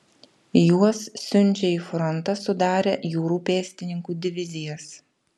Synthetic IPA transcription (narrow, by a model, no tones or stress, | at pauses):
juɔsːʲʊnʲˑt͡ʃʲɛiːfɾɔnt̪ɐsʊd̪ɑːɾʲejuːɾuːpʲeːsʲt̪ʲɪnʲɪŋkuːd̪ʲɪʋʲɪzʲɪjɛs